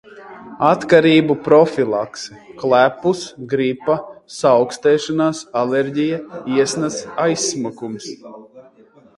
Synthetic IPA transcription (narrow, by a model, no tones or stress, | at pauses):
at̪kaɾiːbupɾɔfilˠa̰ksɛklˠæpusɡɾipasawkst̪ɛːʃanaːsalɛɾɟijaiɛsnasajsːmukums